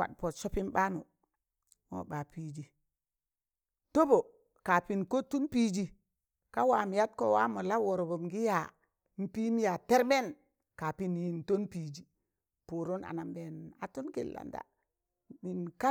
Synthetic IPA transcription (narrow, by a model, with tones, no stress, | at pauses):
wa̰˨ɗ̚po˨tso˦pi˦nba˦nu˨ | mo̰˦ba˨pi˨d͡ʒi˨ | to˦bo˨ | ka˨pi˨nko˦tu˦npi˦d͡ʒi˨ | ka˦wa˨m˨ja˦t̚ko̰˨wa˦mo˨la˦wo˨ɾo˨bo˨mɡi˦ja˨ | m̩˦pi˦m˦ja˨te˦ɾbe˦n | ka˨pi˦nji˨nto˦npi˨d͡ʒi˨ | pu˨ɾo˦na̰˨na˨mbe˨na˨tu˦nki˨lːa̰˨nda̰˨ | mi˨nka˦